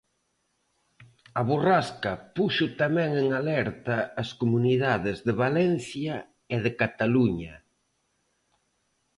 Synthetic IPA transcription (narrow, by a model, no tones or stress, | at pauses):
ɐβoraskɐpuʃʊt̪amɛ̃ŋeŋalɛɾt̪ɐːskomuniðaðɪzðɪβalɛn̟θjɐ | ɪðɪkat̪aluɲɐ